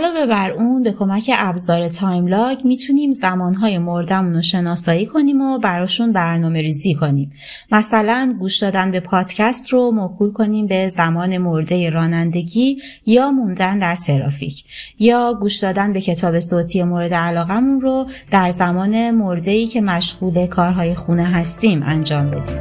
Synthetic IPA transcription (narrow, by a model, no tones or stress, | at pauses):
lɒːve̞bæɾunbe̞kʰo̞mæcʰe̞ʔæbzɒːɾe̞t̪ʰɒjmlɒːɟmiːt̪ʰuniːmzæmɒːnɦɒːjemoɾd̪æmunoʃe̞nɒːsɒːjiːkʰo̞niːmobæɾɒːʃunbæɾnɒːme̞ɾiːziːkʰo̞niːm | mæsælænɡuːʃd̪ɒːd̪ænbe̞pʰɒːd̪̥cʰæst̪romokʰuːlkʰo̞niːmbe̞zæmɒːne̞moɾd̪e̞jeɾɒːnænd̪e̞ɟiː | jɒːmund̪ænd̪æɾt̪ʰe̞ɾɒ̰ːfḭcʰ | jɒːɡuːʃd̪ɒːd̪ænbe̞cʰe̞t̪ʰɒːbe̞soːt̪ʰije̞moɾe̞d̪eælɒːɣæmunrod̪̥æɾzæmɒːne̞moɾd̪e̞iːcʰe̞mæʃɣuːle̞kʰɒːɾɦɒːje̞xuneɦæst̪iːmʔæ̰nd͡ʒɒːmbe̞d̪iːmm